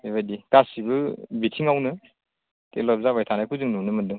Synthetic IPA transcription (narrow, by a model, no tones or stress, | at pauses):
ebajdikasibɯbitʰiŋawnɯ | tḛlɔp̚zabajtʰanajkʰuzɯŋnumnɯmɯndɯŋ